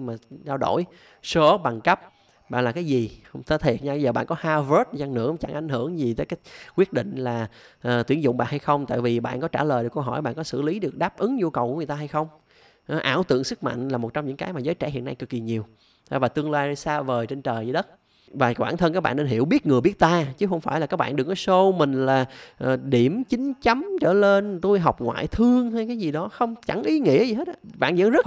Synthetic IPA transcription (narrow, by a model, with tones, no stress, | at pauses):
maː˨˩ɗaː˧wɗo̰˧˩j | so˧˦ɓa˨˩ŋkə˦˥p̚ | ɓa̰ː˧˨laː˨˩kaː˨˦jzi˨˩˧ŋ͡mt̪ʰə˧˦t̪ʰe˨˩t̚ɲaː˧ɓə˧jzəː˨˩ɓa̰ː˧˨nkɔ˨˦haː˧və˦˥t̚za˧ŋnɨ̰˧˥ə˨˩t͡ɕa˧˩ŋʔa˧˩jŋ̟ɦɨ˧˩əŋzi˨˩t̪əː˨˦jkaː˨˦j̚kwi˦˥ət̚ɗḭ˧˨ŋ̟laː˨˩ | ʔːt̪wi˧˩ənzʊ̰˧˨ŋ͡mɓa̰ː˧˨nha˧jxə˧wŋ͡mt̪a̰ː˧˨jvi˨˩ɓa̰ː˧˨nkɔ˨˦t͡ɕaː˧˩ləː˨˩jɗkə˧wɦɔ˧˩jɓa̰ː˧˨nkɔ˨˦sɨ̰˧˩li˨˦ɗɨ˨˩ək̚ɗaː˦˥p̚ʔɨ˨˦ŋɲu˧kə˨˩wku˧˦ŋ˨˩t̪aː˧ɦa˧jxə˧wŋ͡m | ʔʔaː˧˩wt̪ɨ̰˧˨əŋsɨ˦˥k̚ma̰˧˨jŋ̟laː˨˩mo˨˩t̚t͡ɕɔ˧wŋ͡mɲɨ̰˧˥ŋkaː˨˦jmaː˨˩zəː˨˦jt͡ɕɛ̰˧˩hḭ˧˨ənːa˧jkɨ˨˩k̚ːi˨˩ɲi˨˩əw | vaː˨˩t̪ɨ˧əŋlaː˧jsaː˧vəː˨˩jt͡ɕe˧nt͡ɕəː˨˩ji˧˦ɗə˦˥t̚ | vaː˨˩kwaː˧˩nt̪ʰə˧nka˦˥k̚ɓa̰ː˧˨ne˧nɦi˧˩əwɓi˦˥ət̚ŋɨ˨˩əɓi˦˥t̚t̪aː˧t͡ɕɨ˨˦xə˧wŋ͡mfaː˧˩jla˨˩kaː˦˥k̚ɓa̰ː˧˨nɗɨ˨˩ɔ˨˦so˧mï˨˩ŋ̟laː˨˩ʔɗi˧˩əmt͡ɕï˨˦ŋ̟t͡ɕa˨˦mt͡ɕəː˧˩le˧nt̪u˧jɦɔ˨˩wk͡p̚ŋwa̰ː˧˨jt̪ʰɨ˧əŋɦa˧jkaː˨˦jzi˨˩ɗɔ˨˦xə˧wŋ͡mt͡ɕa˧˩ŋʔi˨˦ŋḭ˧˥zi˨˩he˦˥t̚ʔa̰˧˩ɓa̰ː˧˨nzə̰˧˥ŋzə˦˥t̚